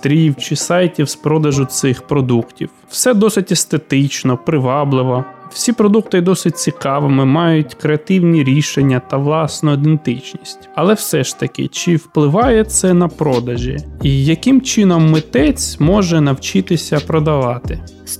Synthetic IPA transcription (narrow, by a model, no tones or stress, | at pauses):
t̪ɾʲiwt͡ʃɪsɑjtʲiwspɾɔd̪ɐʒʊt̪sɪxpɾɔd̪uktʲḭwwsɛd̪ɔsɪtʲest̪et̪ɪt͡ʃnɔpɾɪʋɑblˠɪʋɔw̥sʲipɾɔd̪ukt̪ɪd̪ɔsɪt̚ʲt͡sʲikɑʋɪmɪmɑjʊtʲkɾeɐt̪ɪwnʲiɾʲiʃenʲːɐt̪ɐʋlˠɑsnɔid̪ent̪ɪt͡ʃnʲisʲtʲɐlˠɛwsɛʃt̪ɐkɪ̰t͡ʃɪwplˠɪʋɑjɛt̪sɛnɐpɾɔd̪ɐʒʲḭijɐkɪmt͡ʃɪnɔmːɪt̪ɛt͡sʲmɔʒɛnɐwt͡ʃɪt̪ɪsʲɐpɾɔd̪ɐʋɑt̪ɪ